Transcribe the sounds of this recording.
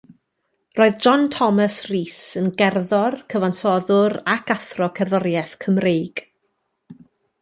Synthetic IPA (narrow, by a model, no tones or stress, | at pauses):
roːɨðd͡ʒɔntʰɔmasriːsənɡɛrðɔrkʰəvansɔðʊɾakʰaθrɔkʰɛrðɔɾjɛθkʰəmrejɡ̥